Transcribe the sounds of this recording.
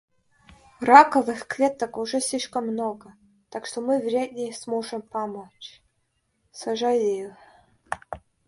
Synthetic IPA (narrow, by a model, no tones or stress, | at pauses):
rakəvɨxkvʲet̪əkʊʐɛsʲlʲiʂkəmːnoɡə | t̪akʂt̪omɨvɾʲed̪ʲnʲɪjsmoʐɨmpɐmot͡ɕ | sɐʐalʲi